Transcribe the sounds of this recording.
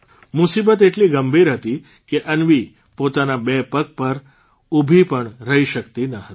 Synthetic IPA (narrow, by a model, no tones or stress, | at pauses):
musibət̪eʈliɡəmbʱiɾɦət̪i | keʔənʋi | pot̪anabepək̚pəɾ | ubʱipəɳɾəɦiʃəkt̪inəɦət̪i̥